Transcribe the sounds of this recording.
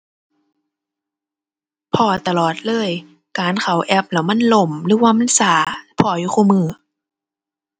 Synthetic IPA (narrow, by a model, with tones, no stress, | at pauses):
pʰɔː˧˩t̪a˧lɔː˨˩t̪̚lɤː˧˥˨j | kaː˨nkʰa˨˩wʔɛ˧˩p̚la˧˩wma˧˥˨nlo˧˩mlɯː˧˦waː˧ma˧˥˨nsaː˨˦pʰɔː˧˩juː˧˩kʰuː˧˩mɯː˧˩